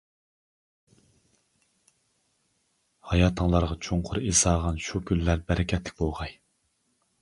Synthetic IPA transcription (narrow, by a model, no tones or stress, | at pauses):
hɑjɑːt̪ʰəŋlˠɑɾʁɑt͡ʃʰuŋqʰʊɾezɑːʁɑnʃukʲʰylːæɾbɛɾɪkʲʰɛt̪ʰlɪ̥k̚ʲbolˠʁɑj